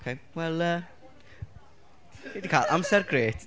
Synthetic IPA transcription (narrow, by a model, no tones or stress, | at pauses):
kʰewɛlˠə | ɪdikʰaːlʔa̰msɛrɡreːt